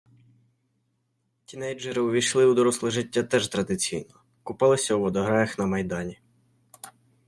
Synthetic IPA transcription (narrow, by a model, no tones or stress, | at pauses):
tʲinɛjd͡ʒɛɾɪʊʋʲijʃlˠɪud̪ɔɾɔslˠɪʒɪtʲːat̪ɛʒt̪ɾɐd̪ɪt͡sʲijnɔ | kʊpɑlˠɪsʲɐuʋɔd̪ɔɦɾɑjɐxnɐmɐjd̪ɑnʲi